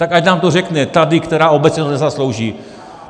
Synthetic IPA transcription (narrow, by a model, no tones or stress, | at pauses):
t̪akacnaːmt̪orɛknɛt̪adɪkt̪ɛɾaːʔobɛt͡sɲɛt̪onɛzaslowʒiː